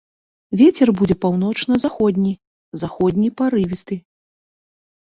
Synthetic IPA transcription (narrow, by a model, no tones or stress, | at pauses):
vʲet͡sʲɛrbud͡zʲɛpawn̪ɔt͡ʂnɐzaxɔd̪ʲnʲi | zaxɔd̪ʲnʲipaɾɨvʲist̪ɨ